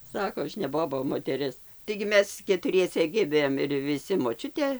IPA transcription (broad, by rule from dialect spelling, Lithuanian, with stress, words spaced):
ˈsɑːkoː ˈɐʃ nʲɛ ˈboːbɐ oː moːtʲɛˈrʲɪs tɐɪɡʲɪ ˈmʲɛs kʲɛtʊˈrʲiɛsʲɛ ˈɡʲɪmʲeːm ɪr ʋʲɪˈsʲɪ moːˈt͡ʃʲʊtʲeː